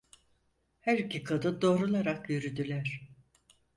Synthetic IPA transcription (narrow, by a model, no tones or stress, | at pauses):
hæɾicʲikʰad̪ɯnd̪o̞ːɾulˠaɾakjyɾyd̪ylʲæɾ̥